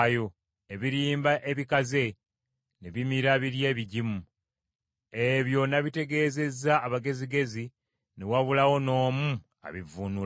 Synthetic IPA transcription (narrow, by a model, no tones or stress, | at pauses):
jo | eβiɾiːmbaʔe̞βikaze̞ | neβimiɾaβiɾje̞ːβiɟimu | e̞βjo̞naβite̞ɡe̞ːze̞zaːβaɡe̞ziɡe̞zi | newaβulawo̞no̞ːmu | a̰βivunu